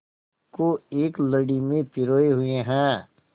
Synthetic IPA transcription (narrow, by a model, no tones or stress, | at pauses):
koeːkləɽimẽpɪɾoːeɦʊẽɦɛ̃ː